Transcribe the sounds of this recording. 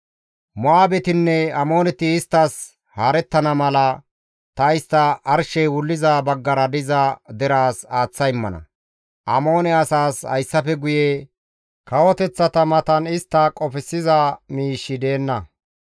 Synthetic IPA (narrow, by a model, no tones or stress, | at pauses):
mʊaːbɛt̪ɪnːɛɐmo̞ːnɛt̪ːɪːst̪ːɐs | haːɾɛt̪ːɐnɐmɐlɐ | t̪ɐɪst̪ːɐʔɐɾʃɛjwʊlːɪzabɐɡːɐɾɐd̪ɪzɐd̪ɛɾaːsaːt͡sːɐjɪmːɐ̰nɐ̰ | ʔɐmo̞ːnɛɐsaːshɐ̰jsːɐfɛɡʊjɛ | kɐwɔt̪ɛt͡sːɐt̪ɐmɐt̪ɐnɪst̪ːɐkʼɔfɪsːɪzɐmiːʃːɪd̪e̞ːnːɐ